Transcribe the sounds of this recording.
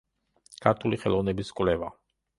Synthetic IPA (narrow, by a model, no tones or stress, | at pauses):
kʰaɾt̪ʰuliχɛlˠɔvnɛbiskʼvlɛva